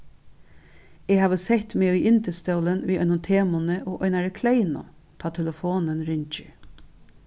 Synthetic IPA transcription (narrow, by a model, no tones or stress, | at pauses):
eːhɑːʋəsɛt̪meːiːʔɪnt̪əst̪œlənʋiːʔœ̰nʊmt̪ʰeːmʊnəʔoːʔœʏnɑɾəkʰleɪnʊ̰t̪ʰɑːt̪ʰɛləfoːnənɾʏɲt͡ʃə̰